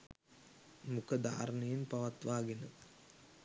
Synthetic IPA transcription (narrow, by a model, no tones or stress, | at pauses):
mukəd̪a̰ːɾnəjenpɐʋat̪ʋaːɡenə